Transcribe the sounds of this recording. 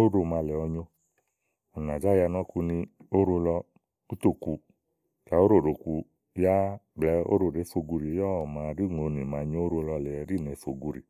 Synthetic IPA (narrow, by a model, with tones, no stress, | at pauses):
o˦ɾo˧˨ma˧lɛ˨ɔ˧ɲo˧ | ɔ˨na˨d͡ʒa˦ja˧nɔ˦ku˧nĩ˧o˦ɾo˧lɔ˧ | u˦to˧ku˧ | ka˨˦o˦ɾo˦˨ɾo˨ku˧ | ja˦ɡ͡blɛ˨˦o̰˦ɾo˨ɾe˨˦fo˧ɡu˧ɾi˨˦jɔ˦ɔ˦˨ma˨˧˨ɾi˦ŋo˨˧ni˨mã˨˧ɲo˦o˦ɾo˧lɔ˧lɛ˨ɾi˦˨nɛ˨fo˧ɡu˧ɾḭ˨